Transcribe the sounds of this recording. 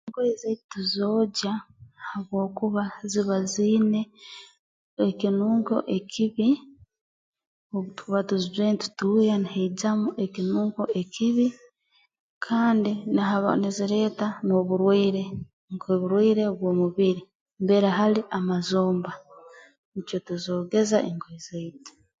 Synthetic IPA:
ŋkwezeituzo̞ːɟahaβwo̞ːkuβaziβaziːne̞ | ekinuːŋɡo̞̰ʔekʰiβi | ouβatuzizweːntu̥tuːjaniheiɟamuʔekinuːŋkoekʰiβi | kʰaːndinaɦaβa̰niziɾe̞ːtano̞ːβuɾwiːɾe̞ | ŋkeβuɾwiːɾe̞βwo̞ːmuβiɾi | mbeɾaɦaliʔamazoːmba | nit͡ʃotuzoːɡe̞zaʔeŋkwizeite̥

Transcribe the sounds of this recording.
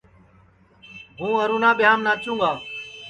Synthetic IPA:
ɦũːəɾuːnãːɓɪɦaːmnãːt͡ʃũːŋɡaː

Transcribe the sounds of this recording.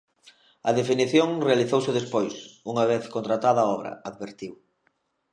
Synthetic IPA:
ɐðefiniθjoŋrealiθowsɪðespojsuŋɐβ̞eθkont̪ɾat̪aðɐaɔβɾɐ̰aðβeɾt̪iw

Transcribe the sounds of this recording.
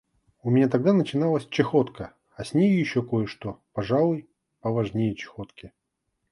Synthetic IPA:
ʊmʲɪnʲat̪ɐɡ̚d̪anət͡ɕɪnalˠəsʲt͡ɕɪxot̪kə | ɐsʲnʲejʊjɪɕːoko̞jəʂt̪o̞pɐʐalˠʊj | pəvɐʐnʲejət͡ɕɪ̥xo̞t̪kʲɪ

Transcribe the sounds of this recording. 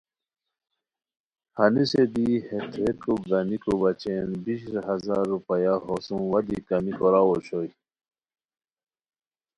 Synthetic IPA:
hɐnised̪ihet̪ʰet̪koɡɐnikobɐt͡ɕenbiɕɾɦɐzaɾːupɐjaɦosũwɐd̪ikɐmikoɾawoɕoi

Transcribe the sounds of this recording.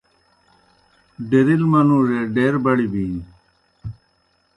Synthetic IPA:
ɖeɾilmɐnũːɾeɖeːɾbɐɽibĩːn

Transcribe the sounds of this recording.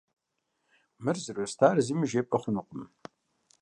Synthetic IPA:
mɨrzɨrostʰaːrɨziːmɨʒeːpʼɐχʷʊnuqʷʼʊm

